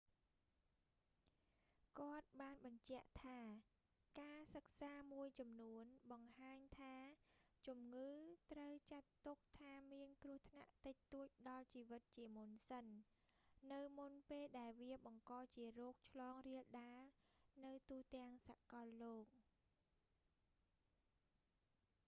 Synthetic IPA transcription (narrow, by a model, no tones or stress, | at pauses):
kŏət̪̚ɓaːnɓɑɲt͡ɕɛ̆əʔt̪ʰaː | kaːsək̚saːmuəjt͡ɕɑmnuənɓɑŋhaːɲt̪ʰaːt͡ɕumŋɨːt̪rəwt͡ɕat̪ːuk̚t̪ʰaːmiənkruəht̪ʰna̰ʔt̪ɨc̚t̪uəc̚ɗɑlt͡ɕiːʋɨt̪̚t͡ɕiəmunsənː | ɨwmunpeːlɗaɛlʋiəɓɑŋkɑːt͡ɕiərɔːk̚t͡ɕʰlɑːŋriəlɗaːlnɨwt̪uːt̪ɛ̆əŋsa̰kɑlːoːk̚